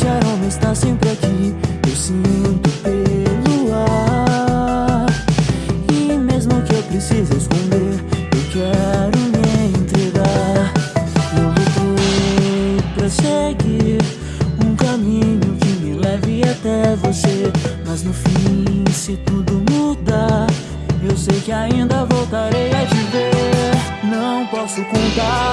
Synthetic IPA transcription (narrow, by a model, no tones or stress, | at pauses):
ʒaɾõmẽst̪asẽmpɾɪakiewsĩt̪ʊpelua | ɾ | ɪmezmʊkɪewpɾesizʊeskõnd̪eɾewkɛɾʊmeẽnt̪ɾeɡaɾɾõwɡet̪ɾo | pɾɐseɡiɾ | ũkamĩɲʊkɪmɪlɛvɪat̪ɛvosemɐznʊfĩsɪt̪ud̪ʊmud̪a | ewsejkɪaĩnd̪ɐvowt̪aɾejɐviveɾnɐ̃w̃pɔsʊkõnt̪a